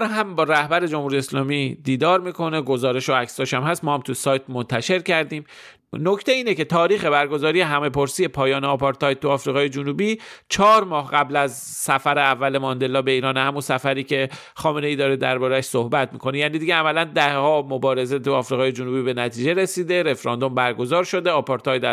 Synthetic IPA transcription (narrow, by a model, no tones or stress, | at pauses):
ɾɦæmbɒːɾæhbæɾe̞d͡ʒomhuɾijeslɒːmid̪iːd̪ɒːɾmiːkʰo̞ne̞ɡo̞zɒːɾe̞ʃoæksɒːʃæmhæst̪mɒːhæmt̪ʰusɒːjt̪mo̞nt̪ʰæʃe̞ɾcæɾd̪iːm | no̞cʰt̪e̞iːne̞ce̞t̪ʰɒːɾiːxe̞bæɾɡo̞zɒːɾije̞ɦæme̞po̞ɾsije̞pʰɒːjɒːneɒpʰɒɾt̪ʰɒjt̪̚t̪ːuɒːfɾiɣɒːje̞d͡ʒunubiːt͡ʃʰɒːɾmɒːhɢæblæz | sæfæɾeævːæle̞mɒnd̪e̞lːɒːbe̞iːɾɒːnehæmunsæfæɾiːcʰe̞ | xɒːmene̞iːd̪ɒːɾed̪æ̰ɾbɒːɾææʃso̞hbæt̪miːkʰo̞nejæːnid̪iɟeæmælænd̪æhhɒːmo̞bɒːɾe̞ze̞t̪ʰuɒːfɾiɣɒːje̞d͡ʒunubibe̞næt̪ʰiːd͡ʒe̞ɾe̞siːd̪e̞ɾe̞fɾɒːnd̪o̞mbæɾɡo̞zɒːɾʃo̞d̪e̞ɒpʰɒɾt̪ʰɒjt̪æ